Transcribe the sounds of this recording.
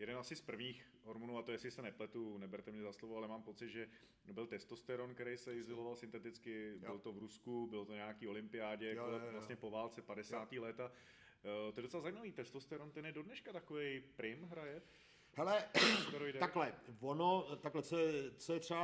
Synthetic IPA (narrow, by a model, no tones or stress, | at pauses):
jɛdɛnʔasɪspr̩vɲiːx | ɦoɾmunuːat̪ojɛsɪsɛnɛplɛt̪unɛbɛɾt̪ɛmɲɛzaslovoalɛmaːmpo̞t͡sɪd̪ʒɛ | bɪlt̪ɛst̪ost̪ɛɾonkɛɾɛjsɛɪzɪlovalsɪnt̪ɛt̪ɪt͡skɪbɪlot̪o̞vɾuskubɪlot̪oɲeaakiːo̞lɪmpɪaːɟɛjkoɛlastɲɛpo̞vaːlt͡sɛpadɛsaːt̪iːlɛt̪a | t̪oɛdot͡sɛlazaiːmaviːt̪ɛst̪ost̪ɛɾont̪ɛnjɛdodnɛʃkat̪akovɛjpɾɪmɦɾajɛ | hɛlɛk̪aɾojdɛt̪aklɛvonot̪aklɛt͡soɛt͡sojɛt̪r̥ɛa